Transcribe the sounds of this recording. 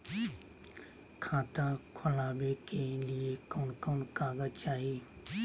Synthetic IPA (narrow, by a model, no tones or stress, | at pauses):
kʰãːt̪ãkʰʊlaːbekʰeːliekoːnkoːnkaːɡət͡ʃaːɦiː